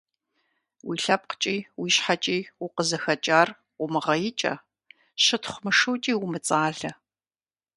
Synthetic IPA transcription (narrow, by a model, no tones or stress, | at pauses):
wiːɬɐp̚qə̥t͡ʃʼiːwiːɕħat͡ʃʼiːwʊqəzɐxɐt͡ʃʼaːr | wʷʊmɨʁɐjɪt͡ʃʼɐ̰ | ɕɨtχʷmɨʂɨwt͡ʃʼiːwʊmɨt͡sʼaːɮɐ